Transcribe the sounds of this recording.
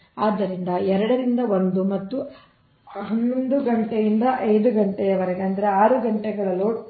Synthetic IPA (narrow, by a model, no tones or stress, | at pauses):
aːd̪ːɐɾind̪ɐɛɾɐɽɐɾind̪ɐond̪umɐt̪ːu | ɦɐnːond̪uɡɐɳʈejind̪ɐʔɐjd̪uɡɐɳʈɛjɐʋɐɾeɡeɐnd̪ɐɾeaːɾuɡɐɳʈɛɡɐɭɐlo